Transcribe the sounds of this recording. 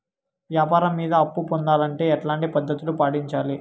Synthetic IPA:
ʋjaːpaːɾɐmːiːd̪ɐɐpːupond̪aːlɐɳʈe̞ːɛʈlaːɳʈipɐd̪ːɐt̪ulupaːɽiɲt͡ʃaːli

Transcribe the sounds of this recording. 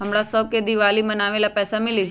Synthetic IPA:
ɦəmɽasəʋked̪iʋalimənaːʋelapɛːsamɪli

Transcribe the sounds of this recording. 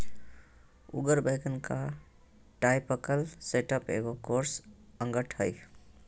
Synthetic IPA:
ṵɡəɾbəɪkənka | ʈaɪpəkəlseʈəpḛɡokoɾsə̃ŋɡəʈʰɦəj

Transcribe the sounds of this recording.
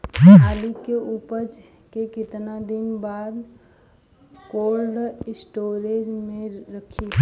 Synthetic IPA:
alikeupət͡ʃ | kekɪt̪nad̪ɪnbaːd̪ | kolɖsʈoːɾed͡ʒmẽɾəkʰi

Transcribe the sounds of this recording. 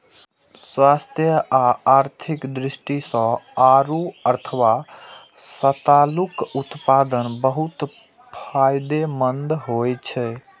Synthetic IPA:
swast̪ʰjəʔaaɾt̪ʰikd̪ɾisʈisə̃aɾuəɾt̪ʰəʋa | sət̪alukut̪pad̪ənbəɦut̪ | pʰajd̪emənd̪ɦojt͡ʃʰɛ

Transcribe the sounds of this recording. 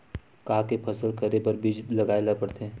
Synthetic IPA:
kaːkepʰəsəlkəɾepɐɾbid͡ʒlɐɡaːelapəɽt̪e

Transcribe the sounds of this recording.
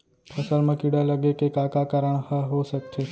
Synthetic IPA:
pʰəsəɾməkiɽaləɡekekakakaɾəɳ̃həɦosək̚t͡ʃʰe

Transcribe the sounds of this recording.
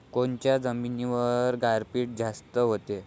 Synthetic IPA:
kont͡ɕjad͡zəminiʋəɾɡaɾpiːʈ̚d͡zast̪əɦot̪e

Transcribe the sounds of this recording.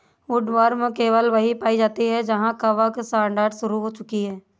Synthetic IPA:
ʊɖʋaːɾmkeːʋəlʋɐɦipaːid͡ʒaːt̪iɦɛd͡ʒɐɦãkɐʋəksʈãːɳɖəːɾɖsʊɾuɦoːt͡ʃʊkiɦɛː

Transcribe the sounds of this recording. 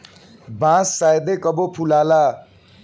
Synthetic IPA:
bãsːajd̪ekʌbopʰulala

